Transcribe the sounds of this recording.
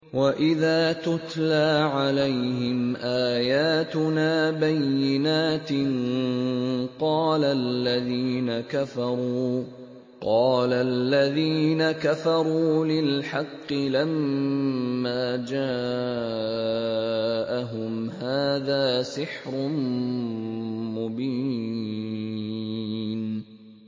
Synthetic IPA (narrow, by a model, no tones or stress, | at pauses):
waʔɪðaːt̪ʊt̪laːʕalajhɪmʔaːjaːt̪ʊnaːbajːɪnaːt̪ɪn | qɑːlallːaðiːnakafɑɾˤuuː | qɑːlalːaðiːnakafɑɾˤuːlɪlħɑqːɪlamː | aːd͡ʒaː | ʔaɦʊmɦaːðaːsɪħɾʊm | mʊbiː | n